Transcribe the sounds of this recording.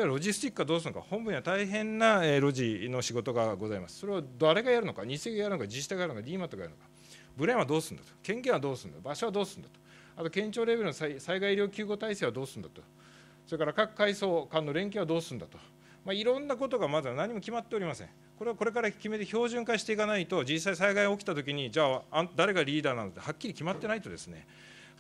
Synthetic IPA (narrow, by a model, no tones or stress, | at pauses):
oeβaɾo̞ʑisɨ̥t̪ʲikːɯβad̪oːs̬ɨnoka̰hõ̞mbɯ̟ɲ̟iβat̪aiɦẽ̞nːaeɾo̞ʑino̞ɕiɡo̞t̪o̞ɡaɡo̞zaimasɨ̥so̞ɾe̞βad̪aɾe̞ɡajaɾɯ̟no̞kaɲ̟ise̞ːɡajaɾɯokad͡ʑiɕi̥t̪aɡaɾɯnokaɾʲiːmat̪oɡajaɾɯ̟nokḁ | bɯ̟ɾẽɰ̃βad̪o̞ːsɨ̃nd̪ḁt̪o̥kẽ̞ŋkẽɰ̃ad̪oːsɨ̃nd̪abaɕoβad̪o̞ːsɨ̃nd̪at̪o̥ | at̪o̞kẽ̞ɲt͡ɕo̞ːɾe̞bɾɯnosaisaiɡaiɾʲo̞ːkʲɨːɡo̞t̪aise̞ːβad̪o̞ːsɨ̃nd̪at̪o | so̞ɾekaɾakakɯ̟̥kaiso̞ːkãnːo̞ɾẽ̞ŋkʲẽβad̪oːsɨ̃nd̪a̰t̪o | maiɾõ̞nːak̬o̞t̪o̞ɡamazɨβanaɲ̟ːimo̞kʲimat̪ːe̞oɾʲimasẽŋ | koɾeko̞ɾe̞kaɾakʲime̞t̪eço̞ːʑɨ̃ŋkaɕi̥t̪e̞ikanait̪o̞d͡ʑisːaisaiɡaio̞kʲi̥t̪at̪ok̬ʲiɲ̟id͡ʑaːãnt̪d̪aɾe̞ɡaɾʲiːd̪aːnanod̪ehakʲːiɾʲikʲimat̪ːe̞nait̪o̞d̪e̞sɨ̥ne̞̰